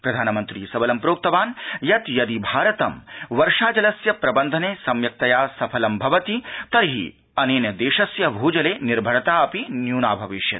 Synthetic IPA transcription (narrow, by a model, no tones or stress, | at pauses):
pɾɐd̪ʱaːnɐmɐnt̪ɾḭːsɐbɐlɐmpɾoːk̚t̪ɐʋaːnjɐt̪jɐd̪ibʱaːɾɐt̪ɐmʋɐɾʂaːd͡ʒɐlɐsjɐpɾɐbɐnd̪ʱɐneːsɐmjɐk̚t̪ɐjaːsɐpʰɐlɐmbʱɐʋɐt̪it̪ɐɾɦḭ | ɐneːnjɐd̪eːʃɐsjɐbʱuːd͡ʒɐleːniɾbʱɐɾɐt̪aːɐpinjuːnaːbʱɐʋiʃjɐ̰t̪̚